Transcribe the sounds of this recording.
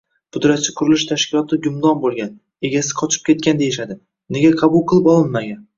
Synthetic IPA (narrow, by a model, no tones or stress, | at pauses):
pʰʊd̪ɾat̪̚t͡ʃʰɪqʰʊɾɪlɪʃt̪ʰaʃkʲɪlˠɒt̪ʰɪɡʊmd̪ɒnbolˠɡʲan | e̞ɡʲasɪ̥qʰɒt͡ʃʰɪ̥p̚kʲʰe̞t̪̚kʲand̪e̞jɪʃad̪ɪ | ne̞ɡʲaqʰɑbʊlˠqʰɨlˠɪpɒlˠɪnmaɡʲan